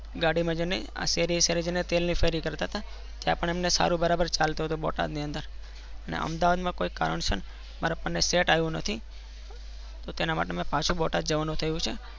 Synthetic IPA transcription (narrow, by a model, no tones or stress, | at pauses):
ɡaɽimãd͡ʒenḛa̰seɾiseɾed͡ʒenet̪elnifeɾikəɾt̪aɦt̪a | t̪japəɳemnesa̰ɾũbəɾabəɾt͡ʃalt̪oɦt̪ubɔ̰ʈa̰d̪niənd̪əɾ | ənḛʔə̰md̪aʋad̪mãkoika̰ɾə̰ɳsən | maɾapənːeseʈajũnət̪ʰi | t̪ot̪enama̰ʈemãpãt͡ʃʰũbɔʈad̪d͡ʒəʋanũt̪ʰəjũt͡ʃʰe